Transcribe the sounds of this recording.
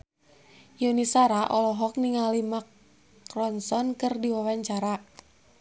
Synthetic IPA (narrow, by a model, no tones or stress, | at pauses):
junisaɾaʔɔlɔɦɔk̚niŋalimak | rɔnsɔnkɨrdiwawaɲt͡ʃaɾa